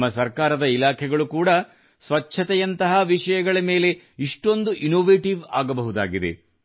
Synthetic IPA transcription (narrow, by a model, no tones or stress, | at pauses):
mːɐsɐɾkaːɾɐd̪ɐilaːkʰɛɡɐɭukuːɽɐ | sʋɐtːʃʰɐt̪ɛjɐnt̪ɐɦɐʋiʂɐjɐɡɐɭɐme̞ːle̞ | iʂʈo̞nd̪uʔinoːʋeːʈiʋa̰ːɡɐbɐɦud̪a̰ːɡid̪e̞̰